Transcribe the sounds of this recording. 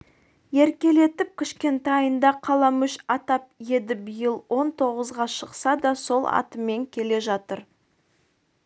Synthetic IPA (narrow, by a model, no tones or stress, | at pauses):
je̞ɾkʲe̞le̞t̪ɪp̚kʲʰɪʃkʲe̞nt̪ɑjənd̪ɑqʰɑlˠɑmʏʃɑt̪ɑp̚je̞d̪ɪbijəlˠwo̞nt̪ʰo̞ʁəzʁɑʃəqsɑd̪ɑso̞lˠɑ̰t̪əmːe̞ŋkʲʰe̞le̞ʒɑt̪əɾ